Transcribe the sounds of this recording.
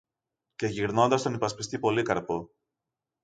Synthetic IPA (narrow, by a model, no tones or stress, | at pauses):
ce̞ʝiɾno̞nd̪ɐst̪o̞nipɐspist̪ipo̞likɐɾpo